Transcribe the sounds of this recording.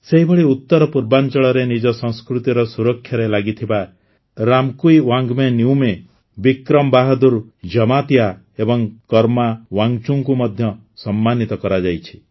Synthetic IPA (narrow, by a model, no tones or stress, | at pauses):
seɦibʱɔɽiut̪ːɔɾɔpuɾbant͡ʃɔɭɔɾenid͡ʒɔsɔ̃ŋskɾut̪iɾɔsuɾɔkʰːjaɾelaɡit̪ʰiba | ɾamkujwaŋɡmeniwme | bikɾɔmbaɦɔd̪uɾd͡ʒɔmat̪ia | ebɔŋkɔɾmawaŋɡt͡ʃuŋkumɔd̪ʱjɔ | sɔmːanit̪ɔkɔɾad͡ʒajt͡ʃʰi̥